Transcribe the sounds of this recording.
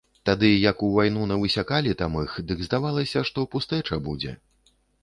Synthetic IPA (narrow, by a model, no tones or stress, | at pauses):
t̪ad̪ɨjɐkuvajnunɐvɨsʲakalʲit̪amɨxd̪ɨɡzd̪avalˠɐsʲɐʂt̪ɔpust̪ɛt͡ʂɐbud͡zʲɛ̰